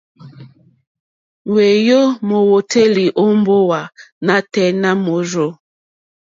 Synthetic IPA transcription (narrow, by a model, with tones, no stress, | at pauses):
we˨jo˦mo˨wo˨tʰe˦li˨ʔo˦m˦bo˦wa˨na˦tɛ˦na˦mo˨ɾo˦